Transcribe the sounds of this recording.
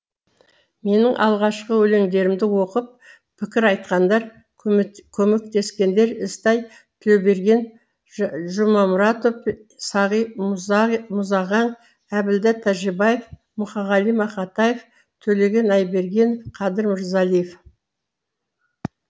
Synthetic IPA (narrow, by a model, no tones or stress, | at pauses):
me̞nɪŋʔɑ̰lˠʁɑʃqəwɵle̞ŋd̪e̞ɾɪmd̪ɪwo̞qəp̚ | pʰɪkʲɪɾɑjt̪̚qɑnd̪ɑɾ | kʲʰɵme̞k̚t̪e̞skʲe̞nd̪e̞ɾɪst̪ɑj | t̪ʰebe̞ɾɡʲe̞n | ʒʊmɑmʊɾɑt̪ofsɑʁij | mʊzɑʁɑɴ | æbɪld̪æt̪ʰæʒebɑjef | mʊχɑʁɑlijmɑχɑt̪ɑjef | t̪ʰɵle̞ɡʲe̞nɑjbe̞ɾɡʲe̞ɴqʰɑd̪əɾmɪɾzɑlˠijef